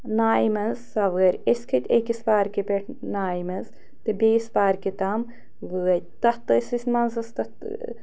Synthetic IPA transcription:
naːimɐnzsɐʋɐɾʲesʲkʰɐt̪ʲekispaːɾkipeʈʰ | naːimɐnz | t̪ebʲiispaːɾkit̪am | ʋɨɐ | t̪ɐt̪ɨsisʲmɐnzɐst̪ɐt̪

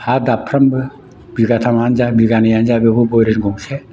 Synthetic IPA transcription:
had̪apʰɾɐmb | biɡat̪ʰamaːnd͡ʒabiɡanijand͡ʒabebuboɾenɡuŋsʰe

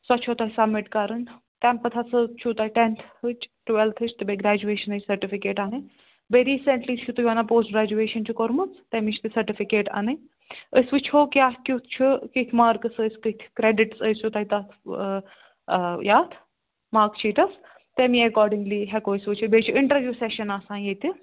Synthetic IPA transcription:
sɔt͡ʃʰot̪ɐɦisɐbmɪʈkaɾən | t̪ɛmpɐt̪ʰasɨt͡ʃʰut̪aiʈent̪ʰɨt͡ʃʈʋɛlt̪ʰɨt͡ʃʰt̪ɨbeɡɾæːd͡ʒueːʃɐnət͡ʃʲsɐɾʈifikeːʈanɨ | beɾiːseɳʈlit͡ʃʰut̪ujʋanapoːsʈ̚ɡɾaːd͡ʒueːʃɐnt͡ʃʰukoɾmut͡st̪emit͡ʃʰt̪ɨsɐɾʈifikeːʈa̰nɨ | əsʋɨt͡ʃʰoːkʲjaːkʲut̪ʰt͡ʃʰukit̪ʰmaːɾkɨsəskət̪ʲʰkɾeɖɪʈsəst͡ʃʰut̪ait̪ɐt̪ʰ | jaːt̪ʰ | maːɾkt͡ʃʰiʈɐs | t̪emiɐkɔːɾɖiŋɡliɦɛkoːisʋɨt͡ʃʰibeːt͡ʃʰiɪɳʈəɾʋjuːsɛʃɐnasãːjet̪i

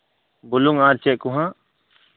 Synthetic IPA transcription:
bʊluŋãːɾt͡ʃekuɦã

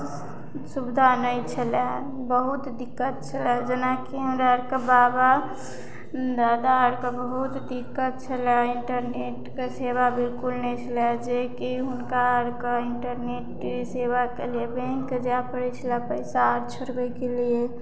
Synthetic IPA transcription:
subd̪ʱanəit͡ʃʰəlɛ | bəɦut̪d̪ikːət̪̚t͡ʃʰəlɛd͡ʒənakiɦəmɾaɾkebaba | d̪aːd̪aəɾkebəɦut̪d̪ikːət̪̚t͡ʃʰəlɛɪɳʈəɾneʈkesebabilkulnəit͡ʃʰəlɛd͡ʒekiɦʊnkaəɾkeɪɳʈəɾneʈ | sebakeliebɛ̃ŋkːed͡ʒapəɾit͡ʃʰəlɛpəɪsaɾt͡ʃʰəɾbɛkelie

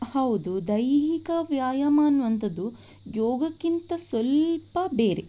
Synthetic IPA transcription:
hɐʋud̪ud̪ɐjɦikɐʋjaːjɐmaːnuʋɐnt̪ɐd̪u | jɔːɡɐkːint̪ɐsʋɐlpɐbeːɾe

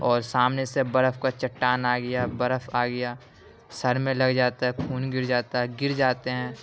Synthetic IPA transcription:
ɔːɾsaːmnesebɐɾəfkat͡ʃɐʈːaːnaːɡɐjabɐɾəfaːɡɐjaː | sɐɾmẽlɐɡd͡ʒaːt̪aɦɛkʰuːnɡɪɾd͡ʒaːt̪aɦɛɡɪɾd͡ʒaːt̪eɦɛ̃ː

